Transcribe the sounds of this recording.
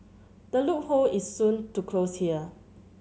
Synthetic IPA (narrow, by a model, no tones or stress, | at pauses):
d̥əluk̚hoisːũntukʰloshiə